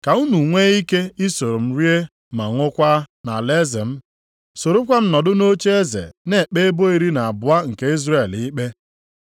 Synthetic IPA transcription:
ka˨u˦nu˨ŋʷe˦i˦ke˦i˦so˨ɾo˨m̩˦ɾi˦e˦ | ma˨ŋʷʊ˦kʷa˦na̰˨le˦ze˨m̩˦ | so˨ɾo˦kʷa˦m̩˦nɔ˨dʊ˦no˦t͡ʃe˦e˦zḛ˨ne˦˨k͡pe˦bo˦i˨ɾi˦na˨a˨bʊ˨a˦ŋ̩˨ke˦i˦zɾe˨li˦k͡pe˦

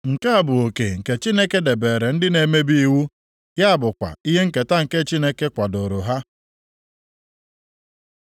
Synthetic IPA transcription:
ŋ̩˨ke˦a˨bʊ˨o˨ke˨ŋ̩˨ke˨t͡ʃi˦ne˦ke˦de˨be˨ɾe˨n̩˦dɪ˦ne˨me˦bi˦i˦˨wu˦ | ja˦a˦˨bʊ˨kʷa̰˨i˦ɦe˦ŋ̩˦˨ke˨ta˦ŋ̩˨ke˦t͡ʃi˦ne˦ke˦kʷa˨dʊ˨ɾʊ˨ɦa˦

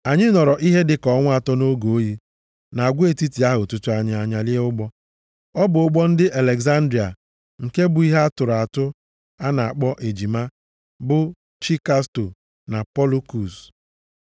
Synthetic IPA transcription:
a˨ɲɪ˦nɔ˨ɾɔ˨ʔi˦ɦe˦dɪ˦kɔ˨˦ŋʷ˦a˨tɔ˦no˦ɡo˨o˦ji˦ | na˨a˨ɡʷe˦˨ti˦ti˨a˦ɦʊ˨tʊ˦tʊ˦a˨ɲɪ˨a˨ɲa˨lɪ˦e˦ʊ˦ɡ͡bɔ˦ | ɔ˦bʊ˨ʊ˦ɡ͡bɔ˦n̩˦dɪ˦ʔa˨le˨ɡza˦n̩˦dɾi˨a̰˨ | ŋ̩˨ke˦bʊ˨i˦ɦe˦a˦tʊ˨ɾa˨tʊ˦ | a˦na˨a˨k͡pɔ˦ʔe˨d͡ʒi˨ma˦ | bʊ˦ | t͡ʃi˦ka˦sto˨ | na˨pɔ˦lu˦ku˨s

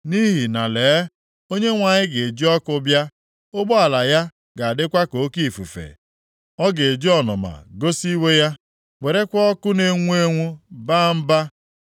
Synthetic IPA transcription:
ni˦ɦi˨na˨leː˨˦ | o˦ɲe˦ŋʷa˨ɲɪ˦ɡe˨d͡ʒi˦ɔ˦kʊ˦bja˦ | ʊ˦ɡ͡bʊ˦a˨la˨ja˦ | ɡa˨a˨dɪ˦kʷa˦ko˨˦ki˦˨fu˨fḛ˨ | ɔ˦ɡe˨d͡ʒi˦ɔ˨nɔ̰˨ma̰˨ɡo˦si˦we˦ja˦ | we˨ɾe˦kʷɔ˦ɔ˦kʊ˦ne˦ŋʷu˦e˦ŋʷu˦ba˦m̩˦ba˦

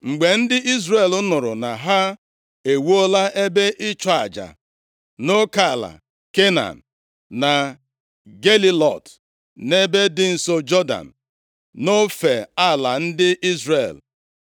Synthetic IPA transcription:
ŋ͡m̩˨ɡ͡be˨n̩˦dɪ˦i˦zre˦˨lʊ˦nʊ˨ɾʊ̰˨na˨ɦa˦ | e˨wo˦la˦ʔe˦be˦ʔɪ˦t͡ʃɔ˦˨a˨d͡ʒa̰˨ | no˦ka˦˨la̰˨ | ke˦na̰˨n̩˨ | na˨ | ɡe˦li˦lɔ̰˨t | ne˦be˦dɪ˦n̩˨so˦d͡ʒɔ˦da̰˨n̩˨ | no˦fe˨a˦˨la˨n̩˦dɪ˦ʔi˦zre˦˨l

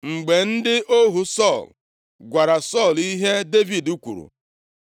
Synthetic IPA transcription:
ŋ͡m̩˨ɡ͡be˨n̩˦dɪ˦ʔo˦ɦu˨sɔ˦˨l | ɡʷa˨ɾa˨sɔ˦˨li˦ɦe˦de˦vi˨du˦kʷṵ˨ɾṵ˨

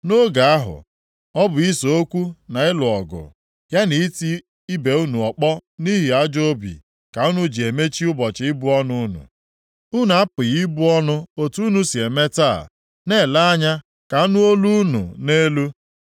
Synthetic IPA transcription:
no˦ɡa˨a˦ɦʊ̰˨ | ɔ˦bʊ˨i˦so˨o˦kʷu˦na˨ɪ˦lʊ˨ɔ˨ɡʊ̰˨ | ja˦ni˨i˦ti˦ | i˦be˨u˦nu˨ɔ˨k͡pɔ˦ni˦ɦi˨a˦d͡ʒo˦bḭ˨ | ka˨u˦nʊ˦d͡ʒi˨e˨me˦t͡ʃi˦ʊ˦bɔ˨t͡ʃɪ˨˦ɪ˦bʊ˦ɔ˦nʊ˦ʊ˦nṵ˨ | u˦n˨a˦pʊ˨ɣi˦bʊ˦ɔ˦nʊ˦o˨tu˦nu˨˦si˨e˨me˦ta˦˨ | ne˦˨la˦a˦ɲa˦ | ka˨u˦nu˦o˦lu˦nṵ˨ne˦lu˦

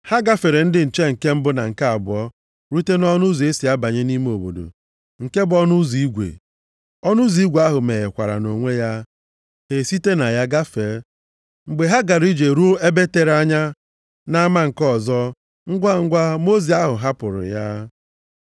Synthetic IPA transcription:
ha˦ɡa˦fe˨ɾe˨n̩˦dɪ˨n̩˨t͡ʃe˦ŋ̩˨ke˦m̩˦bʊ˦na˨ŋ̩˨ka˦a˨bʊ˨ɔ˦ | ɾu˦te˦nɔ˦nʊ˦zi˨e˦si˨a˦ba˨ɲe˦ni˦me˦o˨bo̰˨do̰˨ | ŋ̩˨ke˦bɔ˦nʊ˦zi˨i˦ɡʷḛ˨ | ɔ˦nʊ˦zi˦ɡʷe˨a˦ɦʊ˨me˨e˨kʷa̰˨ɾa̰˨no˨ŋʷe˦ja˦ | he˨si˦te˦na˨ja˦ɡa˦fe˨ɾe˦ | ŋ͡m̩˨ɡ͡be˨ɦa˦ɡa˨ɾi˦d͡ʒe˨ɾu˦e˦be˦te˨ɾa˦ɲa˦ | na˦ma˦ŋ̩˨kɔ˦˨zɔ˦ | ŋ̩˦ɡʷa˦ŋ̩˦ɡʷa˦mo˦zi˨a˦ɦʊ˨ɦa˦pʊ˨ɾʊ̰˨ja˦

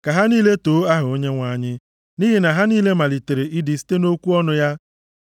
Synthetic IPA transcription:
ka˨ɦa˦niː˦le˦toː˨˦a˦ɦʊ˨o˦ɲe˦ŋʷa˨˦˨ɲɪ˦ | niː˦ɦi˨na˨ɦa˦niː˦le˦ma˨li˨te˨ɾe˨ʔi˦di˨si̥˦te˦no˦kʷu˦ɔ˦nʊ˦ja˦

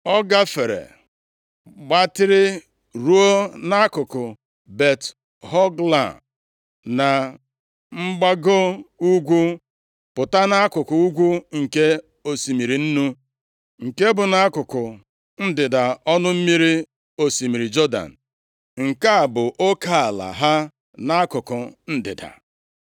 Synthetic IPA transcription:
ɔ˦ɡa˦fe˨ɾḛ˨ | ɡ͡ba˦tɪ˦ɾɪ˦ | ɾu˦o˦na˦a˦kʊ˨kʊ˨ | be˨t | ɦɔ˦ɡla̰˨ | na˨ | ŋ͡m̩˦ɡ͡ba˦ɡo˦u˦ɡʷu˦ | pʊ˨ta˦na˦a˦kʊ˨kʊ˨u˦ɡʷu˦ŋ̩˨ke˦ | o˦si˨mi˨ɾi˨n̩˦nu˦ | ŋ̩˨ke˦bʊ˨na˦a˦kʊ˨kʊ˨ | n̩˦dɪ˨da˨ɔ˦nʊ˦m̩˦mi˦ɾi˦ | o˨si˨mi˨ɾi˨d͡ʒɔ˦da̰˨n̩˨ | ŋ̩˨ka˦a˨bʊ˨ʔo˦ka˦a˨la̰˨ɦa˦ | na˦a˦kʊ˨kʊ˨n̩˦dɪ̰˨da̰˨

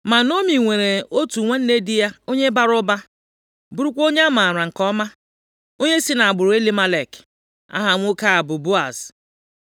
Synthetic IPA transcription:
ma˨no˦mi˨ŋʷe˨ɾe˨o˦tu˨ŋʷe˦n̩˦ne˦dɪ˦ja˦o˦ɲe˦ba˦ɾʊ˦ba˦ | bʊ˦ɾu˦kʷo˦ɲe˦a˦ma˨ɾa˨ŋ̩˨kɔ˦ma˦ | o˦ɲe˦si˦na˨a˨ɡ͡bʊ˨ɾʊ˨e˦li˦ma˦le˨k | a̰˦ɦa˨ŋʷ˦ʊ˦ka˦a˨bʊ˨bʊ˦a̰˨s

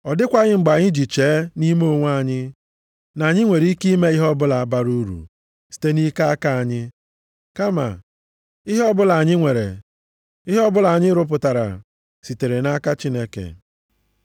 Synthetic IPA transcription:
ɔ˨dɪ˦kʷa˨ɣɪ˦ŋ͡m̩˨ɡ͡ba˨ɲɪ˦d͡ʒi˨t͡ʃe˨˦ni˦m˦o˦ŋʷ˦a˦˨ɲɪ˦ | na˨ɲɪ˦ŋʷe˨ɾi˦ki˦me˦i˦ɦɔ˦bʊ˦la˨a˨ba˦ɾu˦ɾṵ˨ | si̥˨te˦ni˦ka˦a˦ka˦a˨ɲɪ˦ | ka˦ma̰˨ | i˦ɦɔ˦bʊ˦la˨a˨ɲɪ˦ŋʷe˨ɾḛ˨ | i˦ɦɔ˦bʊ˦la˨a˨ɲɪ˦ɾʊ˦p̬ʊ˨ta˨ɾa̰˨ | si˨te˨ɾe˨na˦ka˦t͡ʃi˦ne˦kḛ˨

